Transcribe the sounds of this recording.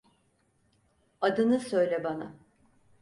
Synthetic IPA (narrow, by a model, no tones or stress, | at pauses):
ad̪ɯnɯsø̞jlʲɛbana̰